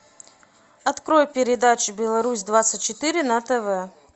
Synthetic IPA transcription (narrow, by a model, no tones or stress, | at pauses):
ɐt̪kɾo̞jpʲɪɾʲɪd̪at͡ɕɪbʲɪlˠɐɾusʲd̪vat̪sɨtʲt͡ɕɪt̪ɨɾʲɪnɐt̪ɛvɛ